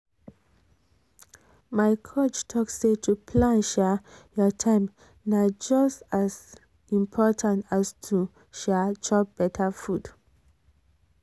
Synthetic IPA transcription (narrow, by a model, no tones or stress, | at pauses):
maɪkʰot͡ʃtʰɔksetʰupʰlãnʃɛjɔtʰãɪ̃m | nad͡ʒʌstaz | ĩmpʰɔtʰãntastʰu | ʃɛt͡ʃɔp̚b̥ɛtʰəfud